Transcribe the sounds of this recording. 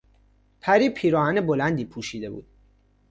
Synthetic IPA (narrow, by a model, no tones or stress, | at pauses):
pʰæɾiːpʰiːɾɒːhæne̞bolænd̪iːpʰuːʃiːd̪e̞bṵːd̪̥